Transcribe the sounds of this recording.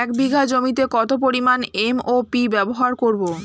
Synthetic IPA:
ɛkbiɡʱad͡ʑomit̪ekɔt̪op̬oɾimanemopibɛboɦaɾkoɾbo

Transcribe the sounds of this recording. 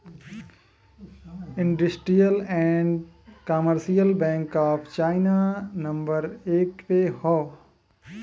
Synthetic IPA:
ɪ̃ɳɖəsʈɾijəlɛ̃ɳɖkaːməɾsijəlbɛ̃ːŋkaːpʰt͡ʃaːɪnanɐ̃mbəɾeːk̚ʈpehɔ

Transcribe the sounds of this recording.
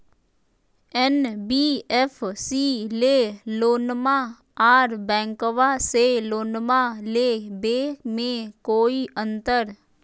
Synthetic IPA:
ɛnbiːɛpʰsiːleːloːnma | aːɾbɛ̃ːŋkoʋaseloːnmalebeːmẽkoːiʔə̃nt̪əɾ

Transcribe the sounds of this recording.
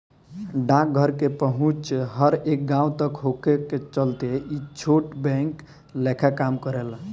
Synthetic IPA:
ɖãk̚ɡʱəɾkepəɦũt͡ʃɦəɾek̚ɡãũt̪əkɦokeket͡ʃəlt̪eit͡ʃʰoʈbɛ̃ŋk | lekʰakamkəɾel

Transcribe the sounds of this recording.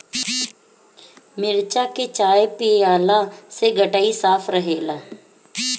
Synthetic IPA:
mɪɾt͡ʃaːkeːt͡ʃaːepɪeaːlaːseːɡəʈaːiːsaːpʰɾəɦeːlaː

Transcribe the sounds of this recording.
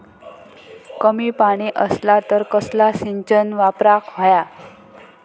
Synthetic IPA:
kəmiːpaɽ̃iʔəslat̪əɾkəslasiɲt͡ɕənʋapɾakʰɦoja

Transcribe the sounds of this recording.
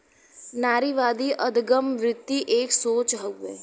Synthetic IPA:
naːɾiːʋaːd̪iʔɐd̪ɡəmʋɾɪt̪ːiʔeːksoːt͡ʃɦɐɛ̰ː

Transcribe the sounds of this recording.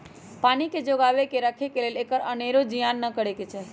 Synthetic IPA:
paniked͡ʒoɡaʋekeɾəkʰekeleleːkəɾəneɾod͡ʒijanːəkəɽeket͡ʃʰɛ

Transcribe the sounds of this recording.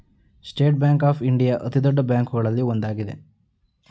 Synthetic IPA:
sʈe̞ːʈ̚bjaːŋkaːpʰiɳɖijaʔɐt̪id̪ɔɖːɐbjaːŋkuɡɐɭɐlːiond̪aːɡid̪e

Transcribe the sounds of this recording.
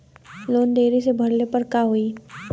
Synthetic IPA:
loːnd̪eːɾisebʱɐɽlepɐɾkaɦui

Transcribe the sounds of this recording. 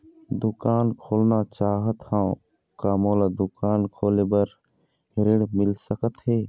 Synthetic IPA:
d̪ʊkaːnkʰoːlnat͡ʃaːɦət̪hã | kaːmoːlad̪ʊkaːnkʰoːlebəɾ | hɪɾɪɽmɪlsəkət̪ɦeː

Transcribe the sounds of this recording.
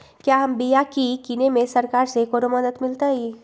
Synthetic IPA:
kjaːɦɐmbijakikinemẽsɐɾkaːɾsekoɾomɐd̪ət̪mɪlt̪aɦiː

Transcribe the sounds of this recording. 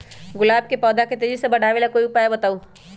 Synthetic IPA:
ɡʊlaːb̚kepɔːd̪aket̪eːd͡ʒisebɐɽ̤ʱaːʋeːlakoːiʊpaːjabɐt̪aːu

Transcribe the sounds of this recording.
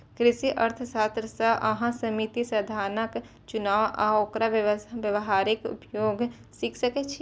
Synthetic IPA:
kɾɪʃiʔɐɾt̪ʰəsaːst̪ɾəsaʔɐɦãsəmit̪isɐd̪ʱaːɾnək | t͡ʃʊnaːʋa̰okɾaʋjəʋɦaːɾɪkʊ̰pjoːɡ | sikʰsəket͡ʃʰi

